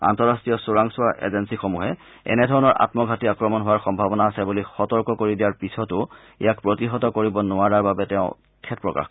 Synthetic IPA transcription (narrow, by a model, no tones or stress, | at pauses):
a̰ntɔɹastɹijɔsʊɹaŋsʊaʔḛzensixomuɦɛ | ɛ̰nɛdʱɔɹɔnɔɹʔa̰tmɔɡʱatiakɹɔmɔnɦʊwaɹxɔmbʱabɔnaːsɛbulixɔtɔɹkɔkoɹidijaɹpisɔtʊ | ḛjak̚pɹotiɦɔtɔkoɹibɔnʊaɹaɹbabɛtɛʊ̃ | kʰɛt̚pɹɔka̰x